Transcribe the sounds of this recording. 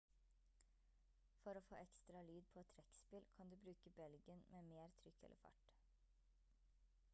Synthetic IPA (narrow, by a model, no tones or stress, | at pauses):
fɔɾoːfo̰ːʔɛkst̪ɾɑlyːd̪̚pʰɔɛt̪ʰːɾɛkspɪlkʰɑnd̪ʉːbɾʉːkəbɛlɡənmeːmeːɾt̪ʰɾʏkʰːɛ̰lʔə̰fɑ̰ʈ